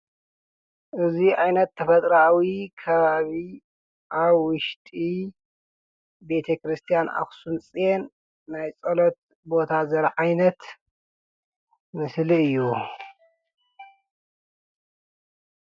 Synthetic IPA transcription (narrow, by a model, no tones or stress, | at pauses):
ʔɨziʔajnɐt̪ʰːɐfɐt̪ʼɾawikʰɐβaβi | ʔaβwʊʃt̪ʼi | be̞t̪ʰɐkɾɨst̪ʰijanʔa̰xsunt͡sʼjenː | ajt͡sʼɐlot̪̚ | bo̞t̪ʰazɐɾʕajnɐt̪ | mɨsliɨjːu